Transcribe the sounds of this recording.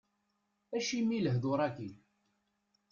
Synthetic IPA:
æʃimiləɦðoɾˤɑki

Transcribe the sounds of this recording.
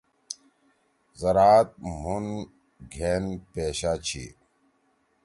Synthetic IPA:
zɐɾaːt̪̚mun | ɡʱeːnpeːɕaːt͡ɕʰḭ

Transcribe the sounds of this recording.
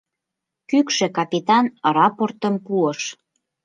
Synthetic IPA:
kykʃĕkɑpʲit̪ɑnrɑport̪əmpuəʃ

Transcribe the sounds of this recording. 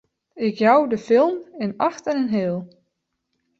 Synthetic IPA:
ɪkjawdəfɪlˠmɪnaxtɛnənɦɪːlˠ

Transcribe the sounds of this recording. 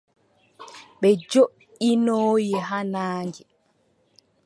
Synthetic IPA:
ɓɛd͡ʒoʔ | inɔːjɛɦanaːŋɡi

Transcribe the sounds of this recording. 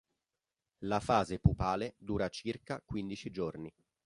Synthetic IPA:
lafaːzepupaːled̪uːɾat͡ʃirkakwind̪it͡ʃid͡ʒorni

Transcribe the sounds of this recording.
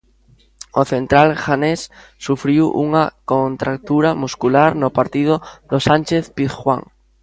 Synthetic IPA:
oθent̪ɾalʝanesː | ufɾiwʔṵŋakont̪ɾak̚t̪uɾamuskulaɾnopaɾt̪ið̞oðosanʲt͡ʃeθpiθxwa̰ŋ

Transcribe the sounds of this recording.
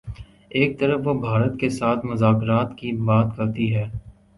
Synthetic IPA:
eːk̚t̪ɐɾəfʋobʱaːɾət̪kesaːt̪ʰmʊzaːkɾaːt̪kibaːt̪kɐɾt̪iɦɛː

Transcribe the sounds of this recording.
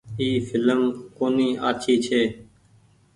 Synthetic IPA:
iːfʰɪləmkoːniːaːt͡ʃʰiːt͡ʃʰeː

